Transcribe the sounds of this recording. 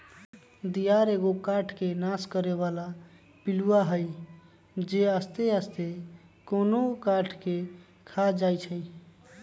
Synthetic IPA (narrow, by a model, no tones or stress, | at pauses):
d̪ijaɾeɡokaʈʰkenaskəɾeβala | piluaɦəj | d͡ʒeəst̪eəst̪e | konokaʈʰke | kʰad͡ʒajt͡ʃʰəi